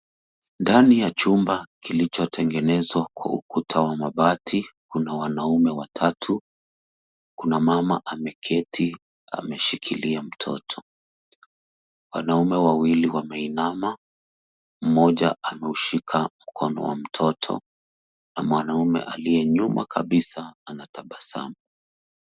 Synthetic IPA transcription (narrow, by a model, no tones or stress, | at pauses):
ndanijat͡ʃumbakilit͡ʃɔtʰɛŋɡɛnɛzwakwa̰ṵkʰutʰawamaɓatʰikunawanaumɛwatʰatʰu | kunamamaʔamɛkʰɛtʰi | a̰mɛʃikʰiliam̩tʰɔ̰tʰɔ̥ | wanaumɛwawiliwamɛinama | m̩mɔʄa̰ʔamɛuʃikʰam̩kʰɔnɔ̰wa̰m̩tʰɔtʰɔ̰ | namwanaumɛ̰ʔalijɛɲuma̰kʰaɓisaanatʰaɓasa̰mu